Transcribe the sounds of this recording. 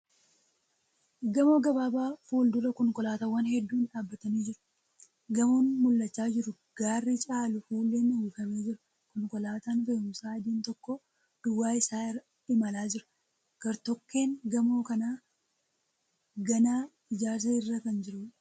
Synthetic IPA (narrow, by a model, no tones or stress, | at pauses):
ɡɐmo̞ːɡɐbaːbaːfuːld̪ʊɾɐkɔŋkɔlaːt̪ɐwːɐnhɛd̪ːuːnᶑaːbːɐt̪ɐniːd͡ʒɪɾʊ̥ | ɡɐmoːnmʊlːɐt͡ʃːaːd͡ʒɪɾʊ | ɡ̥aːrːit͡ʃʼaːlʊfuːlːeːnɪhukɐmeːd͡ʒɪɾʊ̥ | kɔŋkɔlaːt̪aːnfɐʊmsaːɐd̪iːnt̪ɔkːɔ | d̪̥ʊwːaːɪsaː | ɪmɐlaːd͡ʒɪɾʊ̥ | ɡ̥ɐɾt̪ɔkːe̞ːŋɡɐmo̞ːkɐnaː | ɡɐnaː | ɪd͡ʒaːɾseɪrːɐkɐnd͡ʒɪɾʊ